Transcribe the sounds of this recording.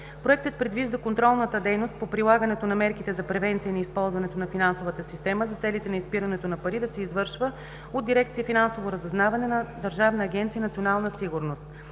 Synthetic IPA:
pɾoɛk̚t̪ət̪̚pɾɛd̪viʒd̪ɐkont̪ɾɔlˠnət̪əd̪ɛjnost̪̚popɾilˠaɡənɛt̪onɐmɛɾkit̪ɛzɐpɾɛvɛnt̪sijəniːspɔlˠzvɐnɛt̪onɐfinansovət̪əsist̪ɛməzɐt̪sɛlit̪ɛnɐispiɾɐnɛt̪onɐpɐɾid̪ɐsɛizvɤɾʃvə | od̪ːiɾɛk̚t̪siifinansovoɾəzɛznavɐnɛnɐd̪ɐɾʒavnɐːɡʲɛnt̪siənɐt̪sionalˠnəsiɡuɾnost̪

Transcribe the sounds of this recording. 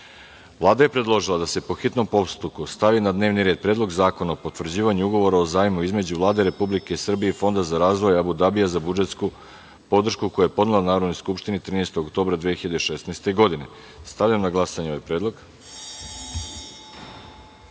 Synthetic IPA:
vlˠaːd̪aje̞pɾe̞d̪lˠo̞ʒilˠad̪ase̞po̞xit̪no̞mpopst̪ukust̪aʋinad̪ne̞ːʋniɾe̞ːd̪̚pɾed̪lˠo̞ɡzaːko̞naopot̪ʋvr̩d͡ʑiːʋaɲuuɡo̞ʋo̞ɾao̞zaːjimuizme̞d͡ʑuvlˠaːd̪eɾe̞publike̞isr̩bije̞ifo̞nd̪azaɾaːzʋojabud̪abijazabud͡ʒe̞t̪sku | po̞d̪r̩ʃkuko̞jaje̞po̞d̪nelanaːɾo̞d̪nojskupʃt̪init̪ɾiːnejst̪o̞ɡokt̪oːbɾad̪ʋiexiʎad̪eʃe̞snajst̪e̞ɡo̞d̪ine̞ | st̪aʋʎamnaɡlˠasaɲeo̞ʋajpɾed̪lˠo̞ɡ

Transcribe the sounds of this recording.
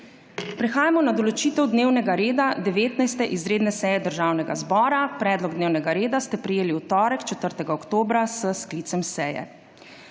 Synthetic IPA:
pɾɛxaːjamɔnad̪ɔlɔt͡ʃiːt̪ɛwd̪neːwnɛɡaɾeːd̪ad̪ɛʋeːt̪najst̪ɛʔizɾeːd̪nɛsɛːjɛd̪əɾʒawnɛɡazbɔːɾapɾɛːd̪lɔɡ̚d̪neːwnɛɡaɾeːd̪ast̪ɛpɾɛjeːliwt̪ɔːɾɛkt͡ʃɛt̪əɾt̪ɛɡaɔkt̪oːbɾasəskliːt̪sɛmsɛːjɛ̰

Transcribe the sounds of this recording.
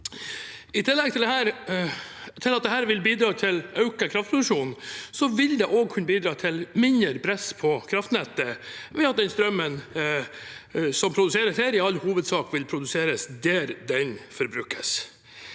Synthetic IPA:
ɪt̪ʰɪlːɛɡ̚t̪ɪld̪ɛɦæːɾ | t̪ʰɪlɑt̪̚d̪ɛhɦæːɾʋɪlbiːd̪ɾɑːt̪ʰɪlɑʉkəkʰɾɑft̪pʰɾʊd̪ʉʂuːnsɔʋɪld̪ɛʔoːɡ̚kʰʉnəbiːd̪ɾɑːt̪ʰɪlmɪnəɾpʰɾɛspʰɔkʰɾɑft̪nɛt̪ːəʋɛɑt̪̚d̪ɛnst̪ɾœmːən | sɔmpʰɾʊd̪ʉseːɾəsheːɾɪɑlːhuːʋəd̪sɑːkʋɪlpʰɾʊd̪ʉseːɾəsd̪æɾd̪ɛnfɔɾbɾʉːkʰːəs

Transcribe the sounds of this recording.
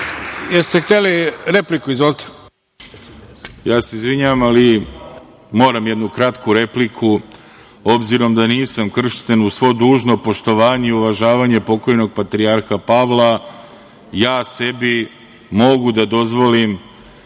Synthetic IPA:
jest̪ext̪eliɾeplikuizʋolit̪ʰe̥ | jaːseizʋiɲaʋamali | mo̞ːɾamje̞d̪nukɾat̪kuɾe̞plikʰu | o̞bziɾo̞md̪aniːsamkr̩ʃt̪enusʋo̞d̪uːʒno̞po̞ʃt̪o̞ʋaːɲeuʋaʒaːʋaɲe̞po̞ko̞jno̞ɡ̚pat̪ɾiaɾxapaʋla | jaːse̞bi | mo̞ɡud̪ad̪o̞zʋo̞lim

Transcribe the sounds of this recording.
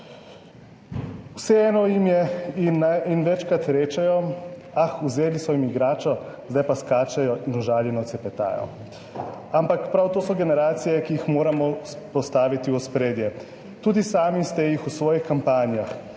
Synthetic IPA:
wsɛɛːnɔjimjɛinːainʋɛt͡ʃkɾat̪ɾeːt͡ʃɛjɔaxuzeːlisɔjimiɡɾaːt͡ʃɔ | zd̪ajpaskaːt͡ʃɛjɔʔinuʒaːljɛnɔt̪sɛpɛt̪a̰ːjɔ̰ | ampakpɾawt̪oːsɔɡɛnɛɾaːt̪sijɛkijixmoːɾamɔs | pɔst̪aːʋit̪iɔspɾeːd̪jɛ | t̪uːd̪isaːmist̪ɛjixusʋɔːjixkampaːnijax

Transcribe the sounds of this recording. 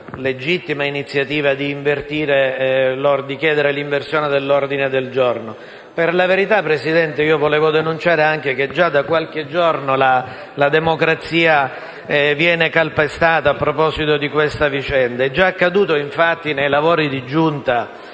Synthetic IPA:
led͡ʒit̪ːimainit̪sːjat̪iːvad̪iːɱvert̪iːɾelord̪ikjɛːd̪eɾeliɱversjoːned̪elːord̪ined̪eld͡ʒorno | perlaveɾit̪apːɾesid̪ɛnt̪eiːovolɛːvod̪enunt͡ʃaːɾeaŋk̟ek̟ed͡ʒad̪ːakːwalk̟ed͡ʒornola | lad̪emokɾat̪siːa | ɛvjɛːnekalpest̪aːt̪aːpːɾopɔːsit̪od̪ikwest̪avit͡ʃɛnd̪aɛd͡ʒːaːkːad̪uːt̪oiɱfat̪ːinejlavoːɾid̪id͡ʒunt̪a

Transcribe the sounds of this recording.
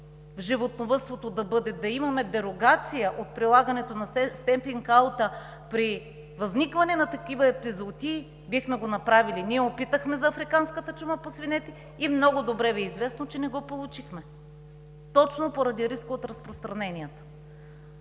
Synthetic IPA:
vʒivot̪novɤst̪vot̪od̪ɐbɤd̪ɛd̪ɐimɐmɛd̪ɛɾoɡat̪sijəʔot̪̚pɾilˠaɡɐnɛt̪onɐɛst̪ɛmpiŋkalˠt̪ə | pɾi | vɐznikvɐnɛnɐt̪ɐkivɐɛpizot̪i | bixmɛɡonɐpɾaviliniɛopit̪əxmɛzɐːfɾikanskət̪ət͡ʃuməposvinɛt̪ɛ | imnɔɡʊd̪obɾɛvɛizvɛsnot͡ʃɛnɛɡɔpolˠut͡ʃixmɛ | t̪ɔt͡ʃnopoɾɐd̪iɾiskoot̪ɾɐspɾost̪ɾɐnɛnijɛt̪o̥

